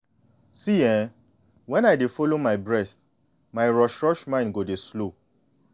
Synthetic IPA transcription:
siɛ̃ | wɛ̃naɪdefolomaɪbɹɛθ | maɪɹɔʃɹɔʃmãɪ̃nɡodeslo

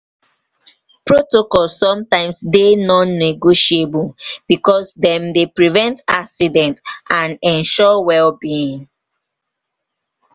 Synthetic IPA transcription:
pɹotokɔlsːɔ̃mtãɪ̃msdenɔ̃nːeɡoʃiebub̥ikɔsdɛ̃mdepɹivɛ̃ntaksidɛ̃ntʔãnɛ̃nʃɔwɛlbiĩŋ

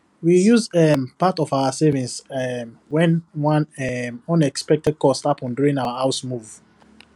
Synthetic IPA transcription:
wijuzɛpatɔvaʊəsɛvĩnsɛmwɛ̃nwãnɛɔ̃nɛkspɛk̚tɛd̚kɔstapʰɔ̃nduɹĩŋaʊahaʊsmuv

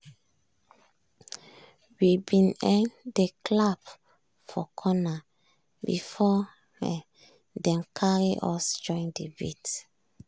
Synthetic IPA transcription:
wibĩnɛ̃ndekʰlab | fɔkʰɔna | bḭfɔ̰ | dɛ̃mkʰaɹiʔɔsd͡ʒɔ̃ndebḭt

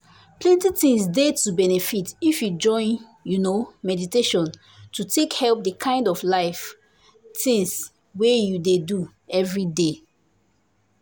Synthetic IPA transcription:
plɛ̃ntitĩŋsdetubɛnɛfitifjud͡ʒɔ̃ɪ̃n | junomɛditeʃɔ̃n | tutekhɛlp̚dəkʰãɪ̃ndɔflaɪf | tĩŋs | wejudedu | ɛvɹide

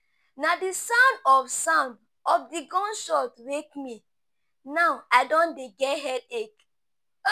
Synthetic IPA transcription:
nadisãʊ̃ndɔfsãʊ̃nd | ɔfdiɡɔ̃nʃɔtwekmi | naʊaɪdɔ̃ndeɡɛtɦɛdek

